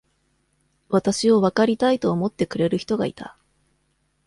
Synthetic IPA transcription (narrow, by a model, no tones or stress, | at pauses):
βat̪aɕio̞βakaɾʲit̪ait̪o̞ːmo̞t̪ːe̞kɯ̟ɾe̞ɾɯ̟çʲi̥t̪o̞ɡa̰ḭt̪a̰